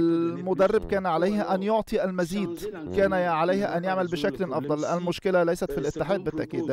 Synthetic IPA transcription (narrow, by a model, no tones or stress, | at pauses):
lmʊd̪ærˤːɪbkæːnʕalæjhæʔænjoʕt̪ˤiʔælmæziːd̪kæːnæʕalæjhæʔænjaʕmælbɪʃæklʔɑfd̪ˤɑlʔælmʊʃkɪlælæjsæt̪filʔɪt̪ːɪħaːd̪̚bɪt̪ːaʔkiːd̪